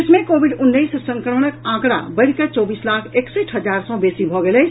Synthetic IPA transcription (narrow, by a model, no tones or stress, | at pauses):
ɪsmẽkobʱiɖʊnːəjssə̃ŋkəɾmənəkãkɽa̰bəɪɾket͡ʃɔbislakʰekseʈʰɦəd͡ʒaɾsə̃besibʱɔɡelə